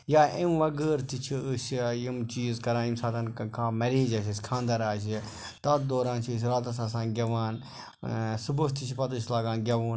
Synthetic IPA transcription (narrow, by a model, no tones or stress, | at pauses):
jaːʔimʋɐɡəːɾt̪it͡ʃʰisjimt͡ʃiːzkɐɾaːimsaːt̪ɐnkʰãːmɐɾeːd͡ʒɐsɐsʲkʰãːnd̪ɐɾaːs̬i | t̪ɐt̪̚d̪oːɾãːnt͡ʃʰis̬ɾaːt̪̬ɐs̬ãːs̬ãːɡʲɐʋaːn | subust̪it͡ʃʰipɐt̪uʃlaːɡãːnɡʲɐʋuːn